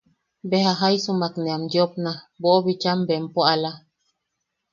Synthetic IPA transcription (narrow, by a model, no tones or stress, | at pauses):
behaɦajsumakneamjopnaboʔoβit͡ʃambempoala